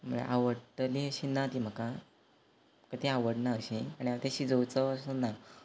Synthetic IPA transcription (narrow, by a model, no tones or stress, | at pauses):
m̤əɭḛʔaʋəɽʈliːəɕiːnat̪iːm̤əka | kət̪iaʋəɽnaəɕiaɽ̃iaat̪aɕiːd͡zowt͡səːsəna